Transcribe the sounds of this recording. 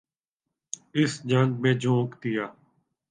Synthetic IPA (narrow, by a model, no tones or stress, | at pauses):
ɪsd͡ʒə̃ŋɡ̚mẽːd͡ʒʱũːkt̪ɪjaː